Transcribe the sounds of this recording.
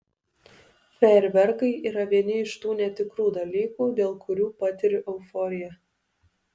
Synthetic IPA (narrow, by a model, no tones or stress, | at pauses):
pʲɛɾʲʋʲɛɾkɐɪʔiːɾɐʋʲiɛnʲɪɪʃt̪uːnʲɛt̪ʲɪkɾuːd̪ɐlʲiːkuːd̪ʲeːlˠkʊɾʲuːpɑt̪ʲɪɾʲɪʔɛʊfɔːɾʲɪjɛ